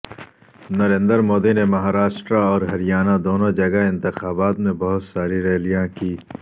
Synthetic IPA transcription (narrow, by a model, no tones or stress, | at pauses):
nɐɾẽnd̪əɾmoːd̪inemɐɦaːɾaːʃʈɾaɔːɾɦɐɾijaːnad̪oːnod͡ʒɐɡaɪ̃nt̪ɪxaːbaːt̪mẽbɐɦʊt̪saːɾiɾeːlijãkiː